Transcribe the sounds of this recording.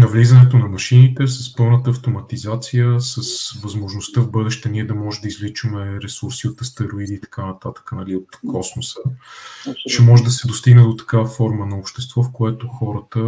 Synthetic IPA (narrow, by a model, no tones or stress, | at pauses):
nɐvlizənɛt̪̬onɐmɐʃinit̪ɛsɐspɤlˠnət̪əːft̪omɐt̪izat̪sijəsəsvɐzmoʒnost̪əvbɤd̪ɛʃt̪ɛniɛd̪ɐmɔʒɛd̪əizlit͡ʃəmɛɾɛsuɾsiot̪ɐst̪ɛɾoid̪iːt̪ɐ̥kanɐt̪at̪ə̥kənɐliot̪kʰɔsmosə | ʃɛmɔʒɛd̪ɐsɛd̪ost̪iɡnɛd̪ot̪ɐ̥kavəfɔɾmənɐopʃt̪ɛst̪vɔfkoɛt̪oxɔɾət̪ə